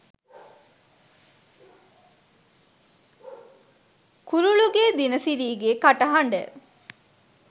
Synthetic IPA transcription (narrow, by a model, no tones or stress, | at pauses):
kuɾuɭuɡeːd̪inəsiɾiːɡeːkaʈɐɦɐɳɖə̰